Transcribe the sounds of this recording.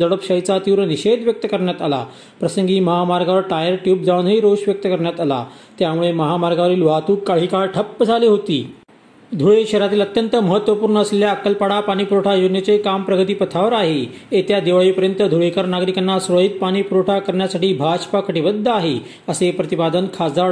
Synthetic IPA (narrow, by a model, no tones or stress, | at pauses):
əɽəpɕəjt͡sat̪iʋɾəniɕed̪ʋjək̚t̪əkəɾɳjat̪ala̰ | pɾəsəŋɡiːməɦamaɾɡaʋəɾʈajəɾʈjuːp̚d͡zʱaʋniɾoɕʋjək̚t̪əkəɾɳjat̪ala̰ | t̪jamuɭeməɦamaɾɡaʋəɾiːlʋat̪uːkːaɦikaɭʈʰəpːəd͡zʱaliːɦot̪ḭː | d̪ʱuɭeɕəɾat̪iːlət̪jənt̪əməɦət̪ːʋəpuːɾɳəːsleljakːəlpaɽapaɽ̃iːpuɾoʈʰajonjət͡sekampɾəɡət̪iːpət̪ʰaʋəɾaɦe | et̪jad̪eʋaipəɾjənt̪əd̪ʱuɭekəɾnaɡɾikanːasɾoɦit̪̚paɽ̃iːpuɾoʈʰakəɾɳjasaʈiːbʱat͡ɕpakəʈibəd̪ʱːəaɦe | əsepɾət̪ipad̪ənkʰad͡za